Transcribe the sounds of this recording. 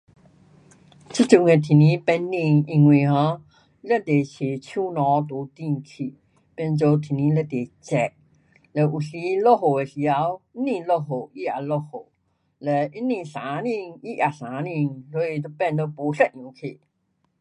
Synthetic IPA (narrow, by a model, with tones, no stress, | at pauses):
t͡sʰɨ˦˥t͡ɕu˧˨ŋe˧˨t̪ʰi˨nĩ˧˦pɛ˧nːĩ˧ŋi˧ŋwẽ˨hɔ̃˧˦ | lɛ˥˧t̪e˨ɕe˨˩t͡ɕʰju˦nɔ̃˨˧˦t̪o˨˦t̪i˧˨ŋkʰi˨ | pɛ˧nt͡so˧t̪ʰi˨nĩ˧˦lɛ˧˨t̪e˨˩t͡ɕɛ˧˩ | le˨˧ʔu˨˩ɬi˧˦lo˧ɦo˨e˨ɬi˨˧a˧˦wi˦nĩ˧˨ŋlo˧ɦo˨i˦a˨lo˧ho˨ | lɛ˨˩ʔi˦nĩ˧˨ŋɬã˨˦nĩ˥˧ŋi˦ʔa˨ɬã˨˦nĩ˧ŋso˧˦i˧t̪o˧pɛ˥˧˨nd̪o˧po˨˦ɬɛ˦˧t̚nũ˨˦kʰe˨